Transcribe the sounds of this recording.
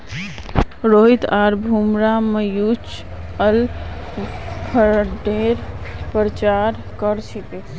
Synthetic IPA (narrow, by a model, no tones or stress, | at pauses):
ɾoɦit̪aɾbʱumɾamejut͡ʃ | əl | kʰəɖeɾpɾət͡ʃaɾ | kəɾt͡ʃʰit̪e